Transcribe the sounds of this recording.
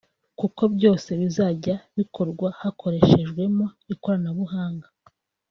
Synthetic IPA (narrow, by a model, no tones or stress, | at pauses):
kuko̞bjo̞ːse̞βizaːɟaβikʰo̞ɾɡwahakʰo̞ɾe̞ʃe̞ʒɡwe̞mo̞iko̞ɾanaβuhaːŋɡa